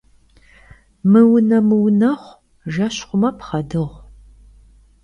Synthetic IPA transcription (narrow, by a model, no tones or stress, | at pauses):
mɨwʊnɐmɨwʊnɐχʷ | ʒɐɕχʷʊmɐpχɐdɨʁʷ